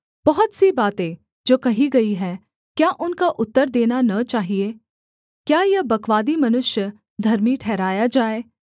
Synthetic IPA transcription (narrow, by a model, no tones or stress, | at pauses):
b̥ɐɦʊt̪sibaːt̪ẽ | d͡ʒoːkɐɦiɡɐiɦɛː | kjaːʔʊnkaʔʊt̪ːəɾd̪eːnanɐt͡ʃaːɦieː | kjaːjɐbɐkʋaːd̪imɐnʊʃjə | d̪ʱɐɾmiʈʰɛːɾaːjad͡ʒaːeː